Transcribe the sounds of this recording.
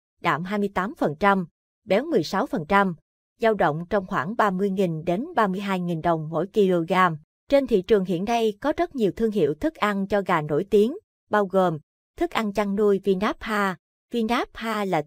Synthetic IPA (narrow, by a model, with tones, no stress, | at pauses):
ɗa̰ː˧˩˨mɦaː˧jmɨ˧əjt̪aː˨˦mfə˨˩nt͡ɕa˧m | ɓɛ˨˦wmɨ˨˩əjsa˨˦wfə˨˩nt͡ɕa˧m | zaː˧wɗə̰˧˨wŋ͡mt͡ɕɔ˧wŋ͡mxwaː˧˩ŋɓaː˧mɨ˧əjŋi˨˩ŋɗe˨˦nɓaː˧mɨ˧əjɦaː˧jŋi˨˩nɗə˨˩wŋ͡mmo̰˧˥˨jki˧lo˧ɣaː˧m | t͡ɕe˧nt̪ʰḭ˧˨t͡ɕɨ˨˩əŋɦḭ˧˨ənɗa˧jkɔ˨˦zt̚ɲi˨˩əwt̪ʰɨ˧əŋɦḭ˧˨əwt̪ʰɨ˦˥k̚ʔa˧nt͡ɕɔ˧ɣaː˨˩no̰˧˩˨jt̪i˨˦əŋ | ɓaː˧wɣo˨˩m | t̪ʰɨ˦˥k̚ʔa˧nt͡ɕa˧ŋnu˧əjvi˧naː˦˥p̚haː˧ | vi˧naː˦˥p̚haː˧laː˨˩